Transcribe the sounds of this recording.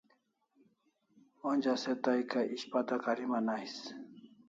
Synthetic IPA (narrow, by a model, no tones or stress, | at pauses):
onʲd͡ʑaset̪ajkaʔiɕpat̪akaɾimanais